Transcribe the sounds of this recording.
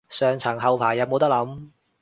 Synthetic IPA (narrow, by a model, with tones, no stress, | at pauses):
sœː˨ŋt͡sʰɐ˨˩ŋɦɐ˨wpʰaː˨˩jɐ˨˥wmo˨˧wt̪ɐ˥lɐ˨˥m